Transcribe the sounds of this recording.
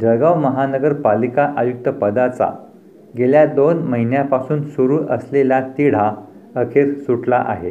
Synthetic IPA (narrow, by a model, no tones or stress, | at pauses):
d͡ʑəɡaʋməɦanəɡəɾpalikaʔajuk̚t̪əpəd̪at͡sa̰ | ɡeljad̪onməɦinjapasuːnsuɾuːʔəsleljat̪iɽ̤a | əkʰeɾsuʈlaʔa̰ɦe